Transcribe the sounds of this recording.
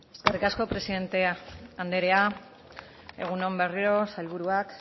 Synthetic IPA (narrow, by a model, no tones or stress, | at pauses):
e̞ske̞rikasko̞pɾe̞siðe̞nt̪e̞and̪e̞ɾe̞a | e̞̰ɣ̞uno̞mbe̞riɾo̞sajlβ̞uɾuak